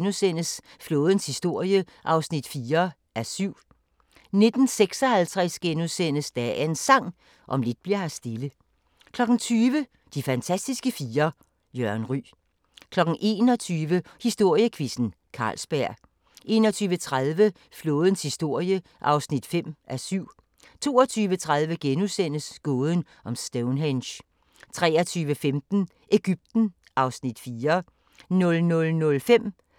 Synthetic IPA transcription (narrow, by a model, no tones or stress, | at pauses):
nusen̰əs | floːð̞ˠənshisd̥o̝ɐ̰jəʔɑ̈ʊsnid̥fiːɐ | ʔæɐsyʊ̰ | ne̝d̥n̩seɡ̥sɒ̽hælt͡sʰʁɛsɡ̥enuðˠsen̰əsd̥ææɐe̝nsɑ̈ŋ̰ | ʔɒ̽mle̝d̥̚b̥liɐhæsd̥e̝lə | kʰlɒ̽ɡ̥n̩t͡sʰyːʋə | d̥ifænt͡sʰæsd̥isɡ̥əfiːɐ | jœɐnʁy̰ː | kʰlɒ̽ɡ̥n̩ʔe̝̰ːnɒ̽t͡sʰyːʋə | hisd̥o̝ɐ̰jəkʰʋisn̩ | kʰɑ̈ːlsb̥æɐ̰ | ʔe̝̰ːnɒt͡sʰyːʋət͡sʰʁaðˠʋə | flo̝̽ːð̞ˠən̩shisd̥o̝ɐ̰jə | ʔɑ̈ʊsnid̥fem̰ʔæsyʊ̰ | t͡sʰo̝̰ːɐɒt͡sʰyːʋət͡sʰʁaðˠʋəɡ̥enusen̰əsɡ̥ɔːð̞ˠən̩ | ɒ̽msd̥eʊnɦenɕ | t͡sʰʁɛ̰ːɐt͡sʰyːʋəfemd̥n̩ | ʔe̝ɡ̥yb̥̚d̥n̩ | ʔɑ̈ʊsnid̥fiːɐ | nɔ̽lnɔ̽lnɔ̽lfem̰